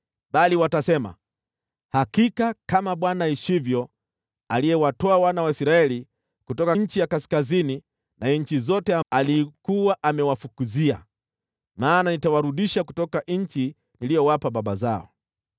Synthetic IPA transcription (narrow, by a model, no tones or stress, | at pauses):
ɓaliwatasɛma̰ | hakikakamaɓwanaiʃivjɔ | alijɛwatɔawanawaisɾaɛli | kutɔkaɲ̩t͡ʃijakasi̥kazini | naɲ̩t͡ʃizɔtɛaalikuwaʔamɛwafukuzia̰ | maːnanitawaɾuɗiʃakutɔkaɲ̩t͡ʃi | nilijɔwapaɓaɓazaɔ̰